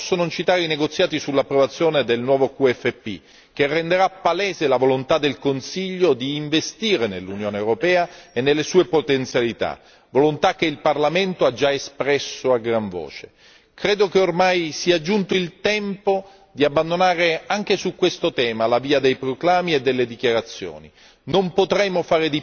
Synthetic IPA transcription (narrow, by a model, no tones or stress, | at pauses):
sːonot͡ʃit̪aːɾeineɡot̪sːjaːt̪isulːapːɾovat̪sːjoːned̪elnwɔːvokuɛfːepːḭ | k̟erːend̪eɾapːalɛːzelavolont̪ad̪ːelkonsiʎːod̪iːɱvest̪iːɾenelːunjoːneewɾopɛːaenːelːesuːepot̪ent̪sjalit̪a̰ | volont̪ak̟ːeilparlament̪oad͡ʒːaespɾɛsːoaɡɾaɱvo̰ːt͡ʃe̥ | kɾeːd̪okeormajsiad͡ʒːunt̪oilt̪ɛmpo | d̪iabːand̪onaːɾeaŋk̟esukːwest̪ot̪ɛːmalaviːad̪ejpɾoklaːmied̪ːelːed̪ik̟jaɾat̪sːjo̰ːni | nompot̪ɾɛmːofaːɾed̪i